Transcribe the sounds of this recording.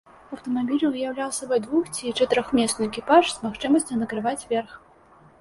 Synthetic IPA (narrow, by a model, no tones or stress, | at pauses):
ɐwt̪ɐmabʲilʲvɨjawlʲawsʲɐbɔd̪vuxt͡sʲit͡ʂɛt̪ɨɾʲɔxmʲɛsnɨjɛkʲipaʂsmaxt͡ʂɨmɐsʲt͡sʲunɐkɾɨvat͡sʲvʲɛrx